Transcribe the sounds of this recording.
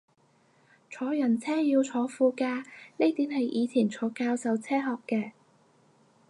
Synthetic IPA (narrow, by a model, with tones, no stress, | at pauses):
t͡sʰɔː˨˥jɐ˨˩nt͡sʰɛː˥jiː˧wt͡sʰɔː˨˧fuː˧kaː˧ne˥jt̪iː˨˥nɦɐ˨jʔiː˨˧t͡sʰiː˨˩nt͡sʰɔː˨˥kaː˧wsɐ˨˧wt͡sʰɛː˥ɦɔː˨kːɛː˧